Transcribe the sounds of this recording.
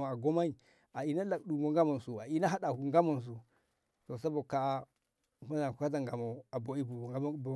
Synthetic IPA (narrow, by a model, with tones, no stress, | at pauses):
a˨ɡo˦ma˦i˨ | a˨i˨na˦la˨kɗu˨mo˨ŋɡa˦ma˨n˨su˨a˨i˦na˦ɦa˦ɗa˨hu˨ŋɡa˦mo˨ns̬u˨ | to˨sa˦bo˨ka˨˦ | ma˦na˨ku˨ka˦t̬a˨ŋɡa˨mo˨a˨bo˨i˦bu˨˦˨